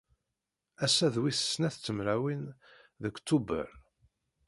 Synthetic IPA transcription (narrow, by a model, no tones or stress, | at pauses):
æsæðwiθə̥snæθt͡sːəmɾæwinðəkt̪ːubə̰ɾ